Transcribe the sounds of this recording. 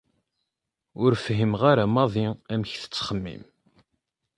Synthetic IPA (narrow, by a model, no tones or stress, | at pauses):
ʊɾfɦimʁaɾamɑðˤiæmçθə̥t͡sːχəmːḭm